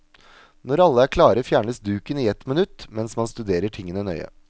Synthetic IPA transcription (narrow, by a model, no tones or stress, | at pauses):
nɔɾɑlːəæːkʰlɑːɾəfjæːɳəsd̪ʉːkəniːɛt̪mɛnʉt̪ːmɛnsmɑnst̪ʉd̪eːɾəʈʰɪŋːənənœʏə̰